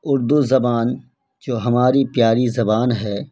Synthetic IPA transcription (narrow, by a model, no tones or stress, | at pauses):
ʊɾd̪uzɐbaːn | d͡ʒoːɦɐmaːɾipjaːɾizɐbaːnɦɛː